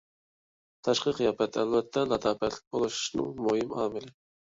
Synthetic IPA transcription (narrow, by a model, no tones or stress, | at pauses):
t̪ʰɛʃqɨqɨjɑːpɛt̪ʰæ̰lvɛt̪ʰːɛlɑt̪ɑːpɛt̪ʰlɪ̥k̚ʲbolˠuʃu̥ʃnɨ̰ŋmojimɑːmɪlɪ